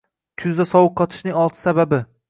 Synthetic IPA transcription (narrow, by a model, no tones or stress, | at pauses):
kʰʊzd̪asɒwʊq̚ʰːɒt̪ʰɪ̥ʃnɪŋɒlˠt̪ʰɪ̥sababɪ